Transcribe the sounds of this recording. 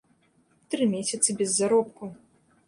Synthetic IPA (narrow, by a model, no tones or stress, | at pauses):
t̪ɾɨmʲesʲɐt̪sɨbʲɛzːaɾɔpku